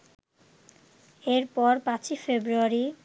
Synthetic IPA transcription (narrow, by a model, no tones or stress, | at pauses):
eɾpɔɾpãt͡ɕifebɾuaɾi